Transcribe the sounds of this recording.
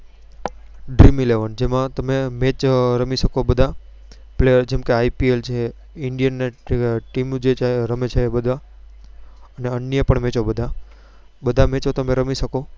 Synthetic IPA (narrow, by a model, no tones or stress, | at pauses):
ɖɾimileʋənd͡ʒemãt̪əmemet͡ʃɾəmiʃəkobəd̪ʱa | pled͡ʒɛmkeaipielt͡ʃʰe | ɪɳɖijənːeʈimd͡ʒet͡ʃʰeɾəmet͡ʃʰeːbəd̪ʱa | əneənːjəpəɳmet͡ʃobəd̪ʱa | bəd̪ʱamẽt͡ʃot̪əmẽɾəmiʃəko